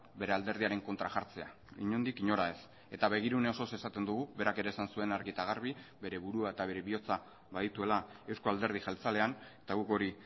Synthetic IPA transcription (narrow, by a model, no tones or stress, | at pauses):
be̞ɾe̞ald̪e̞ɾð̞iaɾe̞ŋko̞nt̪ɾaʝaɾt͡se̞a | iɲond̪ikiɲo̞ɾae̞s | e̞t̪aβe̞ɣ̞iɾune̞o̞so̞se̞sat̪e̞nd̪uɣuβe̞ɾake̞ɾe̞ːsansue̞naɾɣit̪aɣ̞aɾβ̞ibe̞ɾe̞βuɾuae̞t̪aβe̞ɾe̞βio̞t͡sa | βaðit̪ue̞lae̞wsko̞ald̪e̞ɾð̞ixalt͡sale̞anet̪aɣuko̞ɾi